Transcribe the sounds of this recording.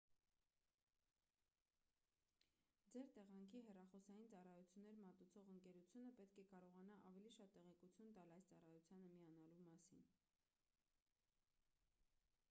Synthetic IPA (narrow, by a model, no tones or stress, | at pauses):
d͡zɛɾt̪ɛʁɑŋkʰiɦɛrɑχɔsɑjint͡sɑrɑjut͡sʰjunːɛɾmɑt̪ut͡sʰɔʁəŋkɛɾut͡sʰjunəpɛt̪kʰɛkɑɾɔʁɑnɑʔɑvɛliʃɑt̪ːɛʁɛkut͡sʰjunt̪ɑlɑjst͡sɑrɑjut͡sʰjɑnəmiɑnɑlumɑsḭn